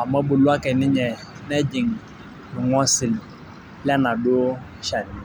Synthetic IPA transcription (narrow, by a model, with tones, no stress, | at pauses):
a˨ma˦bu˨lwa˦kɛ˨ni˦ɲɛ˨ | nɛ˦d͡ʒi˨ŋ˨ | lu˨ŋɔ˦si˨li˨ | la˦na˨do˦ | ʃa˨n˨